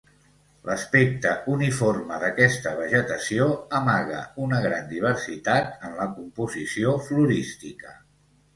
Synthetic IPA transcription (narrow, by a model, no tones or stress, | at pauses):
lʔəspek̚t̪əuniforməðəkɛst̪əβ̞əʒət̪əsioəmaɣə̰unəɣ̞ɾand̪iβ̞əɾsit̪at̪ənləkumpuzisiofluɾist̪ikə